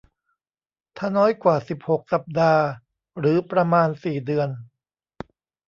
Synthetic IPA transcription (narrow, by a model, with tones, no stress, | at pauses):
t̪ʰa˧˩nɔː˦˥jkwaː˨˩si˨˩p̚ho˨˩k̚sa˨˩p̚daː˧ | ɾɯː˩˦pɾa˧maː˧nsiː˨˩dɯ˧ən